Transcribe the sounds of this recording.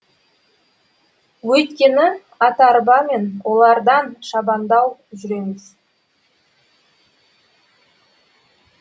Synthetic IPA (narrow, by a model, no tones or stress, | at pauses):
wɵjt̪kʲe̞nɪ | ɑt̪ɑɾbɑme̞nwo̞lˠɑɾd̪ɑnʃɑbɑnd̪ɑwʒʏɾe̞mɪz̥